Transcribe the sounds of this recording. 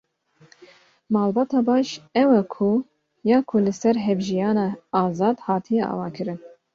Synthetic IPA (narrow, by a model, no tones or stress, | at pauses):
mɑːlbɑːt̪ɑːbɑːʃɛwɛkʰu | jɑːkʰulɨsɛɾɦɛvʒijɑːnɑːɑːzɑːd̪hɑːt̪ʰijɛʔɑ̰ːvɑ̰ːkʰɨɾɨn